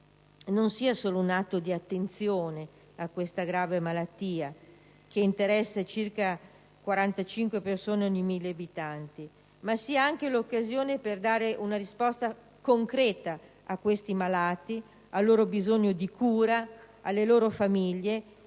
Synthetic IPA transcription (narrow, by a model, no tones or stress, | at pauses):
nonsiːasoːlounat̪ːod̪iat̪ːent̪sjoːne | akːwest̪aɡɾaːvemalat̪ːiːa | keint̪eɾɛsːat͡ʃirka | kwaɾant̪at͡ʃiŋkwepersoːnenejmilːeabit̪ant̪i | masiːaaŋkelokːazjoːneperd̪aːɾeʔunaɾispɔst̪a | koŋkɾɛːt̪a | akːwest̪imalaːt̪i | alːoːɾobizoɲːod̪ikuːɾa | alːeloːɾofamiʎːe